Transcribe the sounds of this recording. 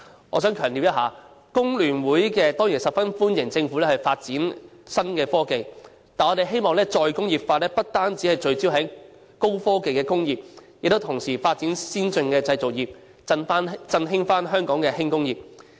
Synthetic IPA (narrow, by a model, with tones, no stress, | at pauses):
ʔɔ̰ː˨˧sœː˨˥ŋkʰœː˨˩ŋt̪iː˨wjɐ˥thaː˨˧ | kʊ˥ŋlyː˨˩nwuː˨˥jkɛː˧t̪ɔː˥ŋji˨˩nsɐ˨p̚fɐ˥nfuː˥njɪ˨˩ŋt͡sɪ˧ŋfuː˨˥lɛː˥hɐ˨jfaː˧t̚t͡siː˨˥nsɐ˥nkɛː˧fɔː˥ke˨j | t̪aː˨nɔː˨˧ɾe˨jɦe˥jmɔː˨˧ŋlɛː˥t͡ʃɔː˧jkʊ˥ŋjiː˨˩p̚faː˧t̚lɛː˥pɐ˥t̚t̪aː˥nt͡si˨˥hɐ˨jt͡ʃɵ˧ɥt͡siː˥wɦɐ˨˥j | ko˥wfɔː˥ke˨jkɛː˧kʊ˥ŋjiː˨p̚jk̚t̪o˥wt̪ʰʊ˨˩ŋsiː˨˩faː˧t̚t͡siː˨˥nsiː˥nt͡sɵ˧ŋkɛː˧t͡sɐ˧jt͡so˨k̚jiː˨p̚ | ɐ˧naː˥nt͡sɐ˧nɦɪ˥ŋfaː˥nɦœː˥ŋkɔː˨˥ŋkɛː˧hɪ˥ŋkʊ˥ŋjiː˨p̚